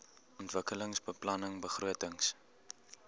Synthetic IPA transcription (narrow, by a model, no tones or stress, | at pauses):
ɔntvəkələŋsbəplɐnəŋbəχruətəŋs